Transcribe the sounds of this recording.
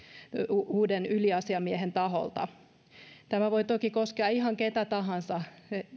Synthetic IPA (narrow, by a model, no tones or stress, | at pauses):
uːdenyliɑsiɑmiehent̪ɑɦo̰lt̪ɑ̰ | t̪æmæʋoit̪okikoskeɑihɑŋket̪æt̪ɑɦɑnsɑe